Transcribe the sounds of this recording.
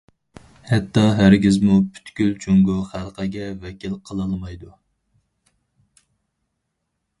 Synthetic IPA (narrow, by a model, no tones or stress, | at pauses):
hɛt̪ːɑɦæɾɡʲizmupʰy̥t̪kʲylt͡ʃʰyŋɡuχælˠqʰæɡʲɛvɛkʲʰilqʰəlˠɨlˠmɑjd̪u